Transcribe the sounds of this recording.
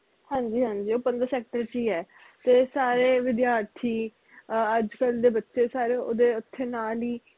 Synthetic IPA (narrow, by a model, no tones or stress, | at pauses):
hãːɲd͡ʒiːɦãːɲd͡ʒiːoːpə̃nd̪əɾsɛːk̚ʈəɾt͡ʃiːɛː | t̪eːsaːɾeːʋɪd̪jaːɾt̪ʰiː | əd͡ʒkəld̪eːbətːʃeːsaːɾeːo̰ːd̪eːʊt̪ʰːeːnaːliː